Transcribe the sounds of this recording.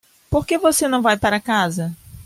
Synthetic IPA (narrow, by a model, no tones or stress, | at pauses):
poɾkevosenɐ̃w̃vajpaɾɐkazɐ